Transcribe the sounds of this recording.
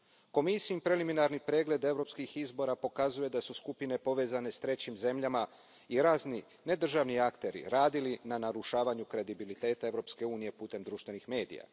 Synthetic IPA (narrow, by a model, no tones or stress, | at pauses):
ko̞misiimpɾe̞liminaɾnipɾe̞ːɡle̞d̪e̞ʋɾo̞pskixizbo̞ɾapo̞kazuje̞d̪asuskupine̞po̞ʋe̞ːzane̞st̪ɾe̞t͡ɕimze̞mʎama | iɾaːzni | ne̞d̪r̩ʒaʋniakt̪e̞ɾḭɾaːd̪ilinanaɾuʃaːʋaɲukɾe̞d̪ibilit̪e̞ːt̪ae̞ʋɾo̞pske̞uːnije̞put̪e̞md̪ɾuʃt̪ʋe̞nixme̞ːd̪ḭja̰